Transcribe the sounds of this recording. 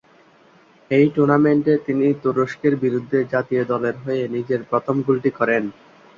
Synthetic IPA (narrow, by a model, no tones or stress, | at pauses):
ejʈuɾnameɳʈet̪init̪uɾoʃkeɾbiɾud̪ʱːed͡ʑat̪ijod̪ɔleɾɦojenid͡ʑeɾpɾɔt̪ʰomɡulʈikɔɾen